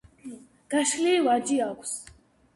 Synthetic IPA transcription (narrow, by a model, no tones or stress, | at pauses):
ɡ̥aʃliːvaɾd͡ʒiakʷʰs